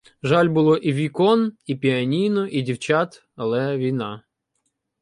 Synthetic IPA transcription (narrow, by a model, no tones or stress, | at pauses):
ʒalʲbʊlˠɔʔiʋʲikɔnipʲiɐnʲijnɔʔidʲiwt͡ʃat̪ | ɐlˠɛʋʲijnɑ